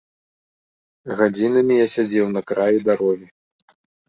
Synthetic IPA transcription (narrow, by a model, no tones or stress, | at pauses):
ɣad͡zʲinɐmʲijasʲad͡zʲɛwnɐkɾajid̪aɾɔɣʲi